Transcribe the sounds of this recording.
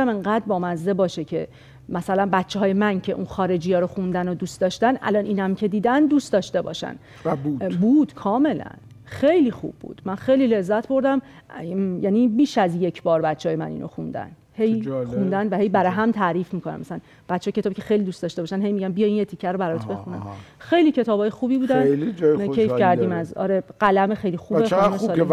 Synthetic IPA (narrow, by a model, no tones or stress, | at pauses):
æmeŋɢæːd̪bɒːmæzːebɒːʃecʰe̞ | mæsælænbæt̪t͡ʃʰːeɦɒːjemæncʰe̞ʔunxɒːɾe̞d͡ʒiːjɒːɾoxund̪ænod̪uːst̪d̪ɒːʃt̪ænʔæ̰lɒnʔiːnæmcʰe̞d̪iːd̪ænd̪uːst̪ɒːʃt̪e̞bɒ̰ːʃæ̰n | buːd̪̥kʰɒːme̞læ̰n | xe̞jliːxṵb̥ːṵːd̪̥mænxejlile̞zːæt̪ʰbo̞ɾd̪æm | jæniːbiːʃæzje̞cʰbɒːɾbæt̪t͡ʃʰːeːjemæ̰nḭːnʔo̰xṵnd̪æ̰n | hejxund̪ænvæhe̞jbæɾɒjɦæmt̪ʰæːɾiːfmiːkʰonæ̰mæsææn | b̥æt̪ʰʃʰːjcʰet̪ːbicʰexejliːd̪uːst̪ɒːʃt̪eɒːʃænɦe̞jmiɟæmbijɒminjet̪ʰicʰːæɾobæɾɒɾt̪ʰbe̞xunæ̰mxejlicʰe̞t̪ʰɒːbɒːjexuːbiːbuːd̪ænd͡ʒɒːejfkæɾd̪iːmæzɒ̰ːɾeɢælæmexejlixuːbemesɒː